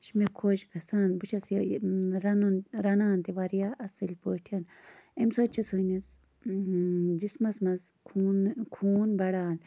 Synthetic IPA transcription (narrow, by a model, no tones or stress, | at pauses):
ʃimekʰoːʃkɐsaːnbut͡ʃʰɐs | ɾɐnunɾɐnaːnt̪iʋaɾijaʔɐsɨlʲpoːʈʰijɐn | emsot͡ʃisonis | d͡ʒismɐsmɐz | kʰunkʰuːnbɐɽaːn